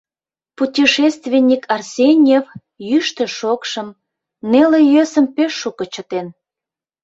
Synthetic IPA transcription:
putʲiʃest̪vʲenʲːikʰɑrsʲenʲjev | jyʃt̪ə̆ʃokʃəm | nelejøsə̆mpeʃːukə̆t͡ɕə̆t̪en

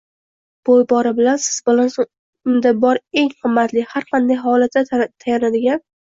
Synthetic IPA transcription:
b̥ojbɒɾɪbɪlansɪzbɪlanso | ʊnd̪abɒɾe̞ŋhɨmːat̪lɪhaɾqʰɑnd̪ajɦɒlat̪ːat̪ʰajanad̪ɪɡʲan

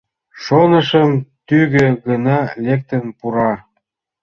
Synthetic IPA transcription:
ʃonəʃəmt̪yɣøɣənɑlek̚t̪ə̆npuɾɑ

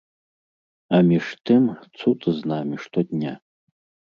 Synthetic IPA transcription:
amʲiʂt̪ʰɨmt͡sʰut̪ʼɨznamʲiʂt̪ɔd̪ʲnʲa

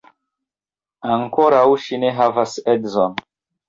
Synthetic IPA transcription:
aŋkoɾawʃineɦavasɛdzɔn

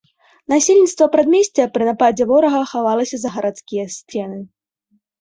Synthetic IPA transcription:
nasʲelʲnʲit̪st̪vɐpɾad̪mʲesʲt͡sʲɛpɾɨnapad͡zʲɛvɔɾɐɣɐːxavalˠɐsʲɐzɐɣɐɾat̪skʲijɐsʲt͡sʲɛnɨ

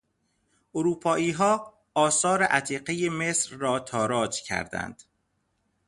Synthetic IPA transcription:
ʔoɾuːpʰɒːʔiːɦɒː | ɒːsɒːɾeʔæt̪ʰiːqejemesɾːɒːt̪ʰɒːɾɒːd͡ʒcʰæ̰ɾd̪æ̰nd̪̥

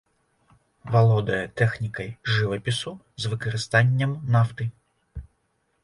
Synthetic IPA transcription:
ʋɐlˠɔd̪ɐjɛt̪ɛxnʲikɐjʒɪʋɐpʲisʊ | zʋɪkɔɾɪst̪ɑnʲːɐmnɑft̪ɪ

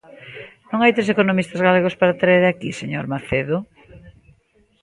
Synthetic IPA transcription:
nõŋajt̪ɾesekonomist̪azɣaleɣ̞ospaɾat̪ɾaeɾakiseɲoɾmaθeðo

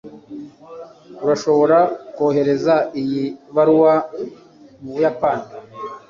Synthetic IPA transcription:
uɾaʃo̞βo̞ɾakoːhe̞ɾe̞zaijiβaɾwa | mujapani

